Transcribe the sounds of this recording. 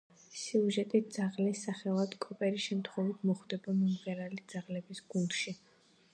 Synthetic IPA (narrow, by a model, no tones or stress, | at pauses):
siuʒɛt̪ʼid̪z̥aʁlisːaχɛlˠad̪kʼɔpʼɛɾiʃɛmt̪ʰχɔvit̪ʰmɔχd̪ɛbamɔmʁɛɾalid̪z̥aʁlɛbisɡ̥und̪ʃi